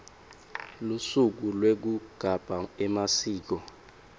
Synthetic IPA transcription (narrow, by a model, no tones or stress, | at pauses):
lusuk̬ulwek̬uɡ̥ʱab̥ʱaɛmasiːk̬ɔ